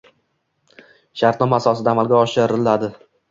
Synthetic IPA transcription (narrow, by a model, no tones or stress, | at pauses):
ʃaɾt̪nɒmaːsɒsɪd̪aːmalɡʲaɒʃɪɾɪlad̪ɪ